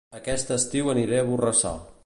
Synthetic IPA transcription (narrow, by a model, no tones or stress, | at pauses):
əkɛst̪əst̪iwəniɾeəβ̞urəsa̰lˠ